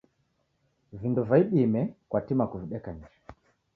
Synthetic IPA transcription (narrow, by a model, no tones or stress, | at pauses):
vindɔvaiɓimɛkwatimakuviɗɛkand͡ʒɛ